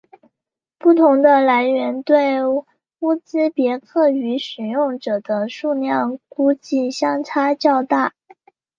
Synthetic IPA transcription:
pu˥˩t̪ʰʊ˧˥ŋd̪ə˧la˧˥ɪɥɛ˧˥nt̪we˥˩ɪ | u˥˩t͡sɹ̩˥pjɛ˧˥kʰɤ˥˩y˧˥ʂɻ̩˨˩jʊ˥˩ŋʈ͡ʂɤ˨˩d̪ə˦ʂu˥˧ljɑ˥˩ŋku˥t͡ɕi˥˩ɕjɑ˥ŋt͡sʰa˥t͡ɕjɑ˥˧ʊt̪a˥˩

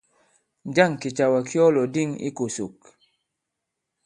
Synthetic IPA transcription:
d͡ʒa˦˨ŋ˨ki˨t͡ʃa˨wa˨kjɔ˦lɔ˨di˦˨ŋḭ˦ko˨sṵ˨k

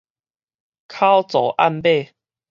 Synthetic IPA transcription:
kʰa˦wt͡sɔ˨˦ʔa̰˥˧˨npe˥˨

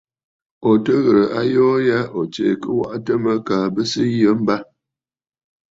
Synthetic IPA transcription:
o˨tə˦ɣə˨ɾə˨ʔa˦jɔː˦ja˦ʔo˨t͡ʃḛ˨kə˦wa̰˦ʔtə˦mə˦kaː˨bə˦sə˦jə˦m̩˦ba˦

